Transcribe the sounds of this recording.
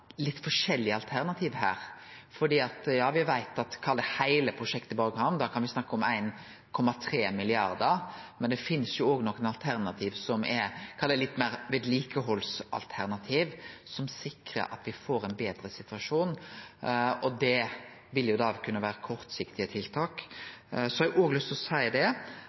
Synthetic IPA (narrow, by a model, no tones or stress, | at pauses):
lɪt̪ːfɔʂɛlːɪəɑlt̪ʰæʁnɑt̪ʰiːʋhæ̰ːɾfɔɖ̪iːɑt̪jɑːʋɪʋæɪt̪ɑt̪kʰɑld̪əhæɪləpʰɾʊʂɛkt̪ɪbɑːɡəhɑnd̪ɑːkʰɑnʋɪsnɑkːəɔmæ̰ɪn | kʰɔmːɑt̪ʰɾeːmɪlɪɑɾd̪əɾmɛnd̪ɛfɪnːəsjʊoːɡnɔkːənɑlt̪ʰæɾnɑt̪ʰiːʋsɔmʔɛkʰɑld̪ɛlɪt̪ːmæɪɾʋɪːd̪liːkəɦɔlsɑ̰lt̪ʰæʁnɑt̪ʰiːʋsɔmsɪkɾə̰ɾʔɑ̰t̪ʋɪfoːɾæɪnbeːd̪ɾəsɪt̪ʉʋɑʂuːn | ɔd̪ɛ | ʋɪljʊd̪ɑːkʰʉnːəʋæːɾəkʰɔɾt̪sɪkt̪ɪət̪ʰɪlt̪ʰɑːk | sɔhɛɡʔoːɡəlʏst̪ɔsæɪd̪ɛ